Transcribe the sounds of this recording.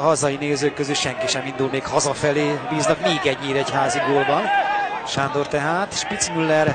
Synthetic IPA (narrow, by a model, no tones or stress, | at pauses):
ɦɒzɒjineːzøːkːøzylʃɛŋkiʃɛmind̪ulmeːkhɒzɒfɛleːbiːznɒkmeːɡɛɲːiːɾɛchaːziɡoːlbɒnʃaːnd̪ort̪ɛɦaːt̪e̥ʃpit̪simylːɛr